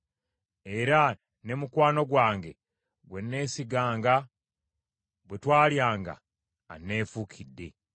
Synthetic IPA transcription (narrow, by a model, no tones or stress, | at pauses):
e̞ɾa | ne̞mukwaːno̞ɡwaːŋɡe̞ | ɡwe̞nːe̞ːsiɡaːŋɡa | bwe̞twaːljaːŋɡa̰ː | nːe̞ːfukʰidːe̞